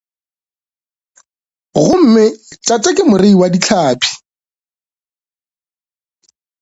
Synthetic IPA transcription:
ɣʊm̩mɪt͡ʃʼatʼɛkʼɪmʊreiwadit͡ɬʰaːpʰi̥

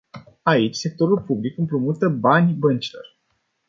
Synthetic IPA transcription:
ait͡ʃʲse̞k̚t̪o̞ɾulpublikɨmpɾumut̪əbanʲbənt͡ʃilo̞̰r

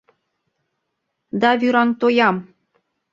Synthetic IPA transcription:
d̪ɑβyɾɑŋt̪ojɑm

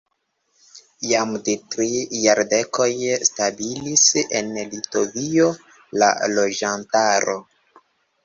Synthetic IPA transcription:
jamdetɾijaɾde̞kʰo̞jstabilise̞̰nlito̞vio̞ | la̰lo̞d͡ʒantaɾo̞

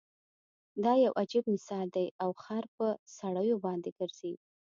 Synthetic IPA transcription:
d̪ɑjawʔad͡ʒib̚mɪsɑld̪ajawxaɾpəsaɽəjobɑnd̪eɡ̥əɾz̥eɡ

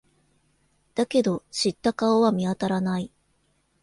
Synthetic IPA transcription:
d̪̥ake̞d̪o̞ɕit̪ːakaoβamʲiat̪aɾanai

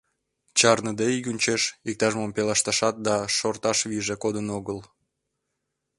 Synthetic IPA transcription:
t͡ɕɑrnəd̪eiɡʲunʲt͡ɕeʃik̚t̪ɑʒmompelɑʃt̪ɑʃɑt̪̚d̪ɑʃort̪ɑʃβiʒekod̪ənoɣəl

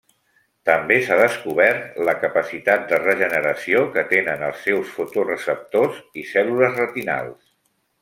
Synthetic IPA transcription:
t̪əmbesaðəskuβɛrt̪ləkəpəsit̪at̪̚d̪ərəʒənəɾəsiokət̪enənəlˠsːɛwsfut̪urəsəp̚t̪ozisɛluləzrət̪ina̰lˠs

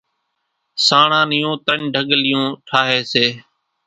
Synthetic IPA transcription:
saːɳãːnɪjõːt̪əɳɖʱəɠlɪjõːʈʰaːɦeːseː

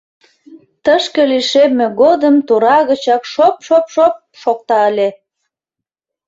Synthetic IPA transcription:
t̪əʃkə̆liʃemːeɣod̪əmt̪uɾɑɣət͡ɕɑkʃopʃopʃop̚ʃok̚t̪ɑəlʲe

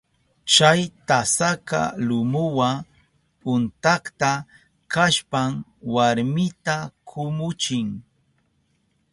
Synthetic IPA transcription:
t͡ʃajt̪asaka̰lʊmʊwa | pʊnt̪akt̪a | kaʃpamwaɾmɪt̪akʰʊmʊt͡ʃɪŋ

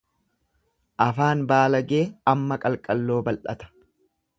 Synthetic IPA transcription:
ʔɐfaːnbaːlɐɡe̞ːɐmːɐkʼɐlkʼɐlːo̞ːbɐlʔɐ̰t̪ɐ̥

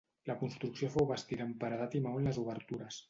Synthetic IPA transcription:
ləkunst̪ɾuksiofowβəst̪iðəmpəɾəðat̪imawənləzuβəɾt̪uɾəs

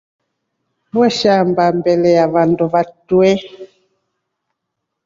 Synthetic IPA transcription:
bwɛʃambambɛlɛjaβanduβatuɛ

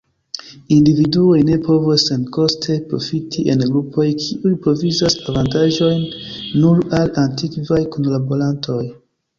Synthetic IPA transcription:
individuo̞jne̞po̞vosːe̞nko̞stʰe̞pɾo̞̰fitʰiʔe̞nɡɾupʰo̞jkʰiʔujpɾo̞vizasavantaʒo̞jnːuɾalantikvajkonlabo̞ɾantʰo̞j

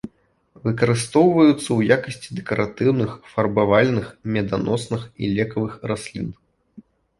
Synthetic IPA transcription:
vɨkɐɾɨst̪ɔwvɐjut̪sːɐwjakɐsʲt͡sʲid̪ɛkɐɾʔat̪ɨwnɨxfɐrbavalʲnɨxmʲɛd̪anɔsnɨxḭlʲɛkɐvɨxrasʲlʲḭn

